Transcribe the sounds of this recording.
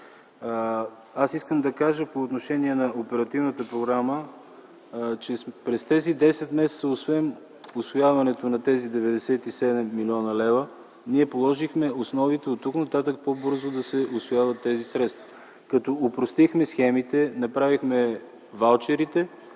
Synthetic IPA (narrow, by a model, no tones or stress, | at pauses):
asiskəmd̪ɐkaʒəpoːt̪noʃɛniɛnɐopɛɾɐt̪ivnət̪əpɾoɡɾamə | t͡ʃɛpɾɛst̪ɛzid̪ɛsɛt̪mɛsɛt̪səʊsvɛm | ʊsvojavɐnɛt̪onɐt̪ɛzid̪ɛvɛd̪ɛsɛt̪isɛd̪ɛmːilʲiɔnəlɛvə | niɛpolˠɔʒixmɛosnɔvit̪ɛot̪ːuknɐt̪at̪ək̚pobɤɾzʊd̪ɐsɛʔʊsvojavɐt̪ːɛzisɾɛt̪st̪vɐ̥ | kɐt̪ɔopɾost̪ixmɛsxɛmit̪ɛnɐpɾavixmɛ | valˠt͡ʃɛɾit̪ɛ